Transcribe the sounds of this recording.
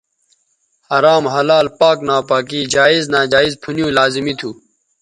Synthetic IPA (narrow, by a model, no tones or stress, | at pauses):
hɐɾaːmɦɐlaːlpaːknaːpaːk̬iːd͡ʑaːiznaːd͡ʑaːizpʰunijũːlaːzimit̪ʰuː